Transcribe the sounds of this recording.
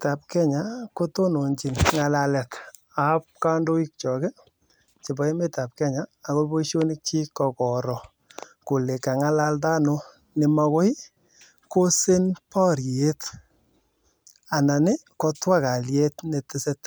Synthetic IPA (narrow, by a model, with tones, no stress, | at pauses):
ta˨p̚kɛ˦ɲa˨ko˦to˦no˨ɲt͡ʃi˨nŋa˨la˨lɛ˨t | a˨p̚ka˦ndo˦i˦k̚t͡ʃɔ˨ke˦ | t͡ʃe˨bɔ˨˦i˦me˦ta˨p̚kɛ˦ɲaː˨ko˦bo˦iʃo˦ni˦k̚t͡ʃi˦kɔ˨kɔ˨ɾɔ˨ | ko˨le˨ka˨ŋa˦la˦lda˦no˦ | nɪ˨ma˧ko˦i˦ | ko˦sɪ˦npɔ˦ɾje˦t | a˨na˨nɪ˦ | kɔ˦twa˦ka˨lje˦tne˨tɪ˦se˦t